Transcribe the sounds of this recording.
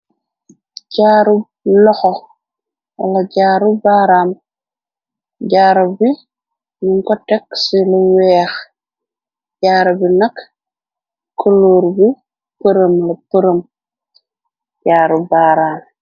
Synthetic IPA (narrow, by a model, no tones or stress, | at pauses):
ɟaːɾub | lɔxɔ | wɐ̰laɟaːɾubaːɾaːm | ɟaːɾubi | nuŋkɔtɛksilɐwɛːx | ɟaːɾɐbinɐk | kːoloːɾbi | pəɾəmlɐpəɾəm | ɟaːɾubaːɾaːm